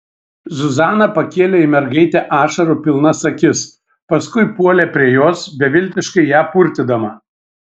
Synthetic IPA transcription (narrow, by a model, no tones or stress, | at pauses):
zʊzɑːnɐpɐkʲeːlʲeɪmʲɛɾɡɐɪt̪ʲɛʔɑːʃɐɾupʲɪlˠnɐsɐkʲɪs | pɐskʊɪpuɔlʲeːpʲɾʲiɛjoːsbʲɛʋʲɪlʲt̪ʲɪʃkɐɪjæːpʊɾʲt̪ʲɪd̪ɐmɐ